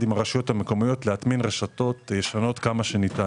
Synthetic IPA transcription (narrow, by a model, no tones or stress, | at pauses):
dimaʁaʃjo̞thameko̞mijo̞t̪leat̪minʁeʃato̞t̪jeʃano̞t̪kamaʃe̞nit̪a